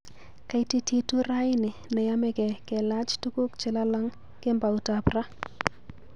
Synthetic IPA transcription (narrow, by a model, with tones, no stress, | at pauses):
ka˦jti˦tʰi˦tu˦ɾa˦jɪ˦nɪ˨nɛ˨ja˦mɛ˦kɛ˨kɛ˨la˦t͡ʃtu˦ku˦kt͡ʃɪ˨la˦la˦ŋ | kɪ˦mba˨u˨ta˨pra˦